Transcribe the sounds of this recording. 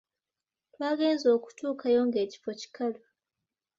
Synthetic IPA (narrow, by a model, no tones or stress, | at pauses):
twaːɡe̞ːnzo̞ːku̥tuːkʰajo̞ːŋɡe̞ːci̥fo̞ci̥kalo